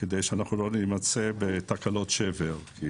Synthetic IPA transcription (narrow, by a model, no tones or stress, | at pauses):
ked̪ejʃeanaχnulo̞nimat͡sebet̪akalo̞t̪ʃeveʁki